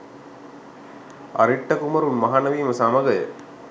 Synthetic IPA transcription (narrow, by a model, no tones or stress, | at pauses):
ɐ̰ɾiʈːɐkumɐɾunmɐɦaːnɐʋiːməsamɐɡɐjə̰